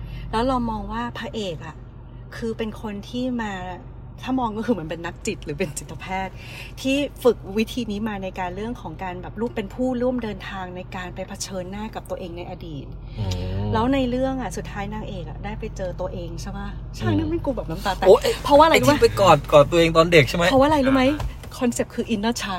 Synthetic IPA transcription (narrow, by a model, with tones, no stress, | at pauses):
lɛː˦˥wlɔː˧ŋmɔː˧ŋwaː˥˩pʰaː˧ʔeː˨˩k̚ʔa˨˩ | kʰɯː˧pe˧nkʰo˧nt̪ʰiː˥˩maː˧ | t̪ʰaː˥˩mɔː˧ŋkɔ˥˩kʰɯː˧m˩˦ə˦npe˧nːa˦˥k̚t͡ɕi˨˩t̪̚ɾɯː˩˦pe˧nsi˨˩t̪ʰːa˧pʰɛː˥˩t̪̚ʰ | iː˥˩fɯ˨˩k̚wi˦˥t̪ʰiː˧niː˦˥maː˧na˧jkaː˧nɾɯ˥˩əŋkʰɔː˩˦ŋkaː˧nbɛː˨˩p̚ɾuː˥˩əmpe˧npʰuː˥˩ɾu˥˩əmdɤː˧nt̪ʰaː˧ŋna˧jkaː˧npa˧jpʰa˧t͡ɕʰɤː˧nːaː˥˩ka˨˩p̚t̪u˧əʔeː˧ŋna˧jʔa˧diː˨˩t̪̚ | lɛː˦˥wna˧jɾɯ˥˩əŋʔa˨˩su˨˩t̪ʰːaː˦˥jnaː˧ŋʔeː˨˩k̚ʔa̰˨˩daː˥˩jpa˧jt͡ɕɤː˧t̪u˧ɐʔeː˧ŋt͡ɕʰa˥˩jba˦˥t͡ɕʰaː˥˩ŋ̚nɯ˦˥me˧nkuː˧bɛː˨˩p̚na˨˦t̪a˨˩t̪ɛː˨oː˦˥ʔpʰɔ˦waː˥˩˨a˧lu˥m˦a˦pe˧kɔː˨˩n̚kɔː˨˩t̪ːu˧əʔeː˧ŋt̪ɔː˧nde˨˩k̚t͡ɕʰa˥˩ma˦˥˧waː˥˩˨ɾa˧jluː˦˥ma˦˥j | kʰɔ˧nse˨˩p̚kʰɯː˧ʔi˧˥nː˥˩t͡ɕʰa˦˥